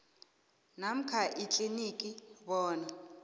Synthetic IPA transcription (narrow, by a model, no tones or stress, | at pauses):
nam̩kʰaʔit͡ɬʼinikʼiβɔːna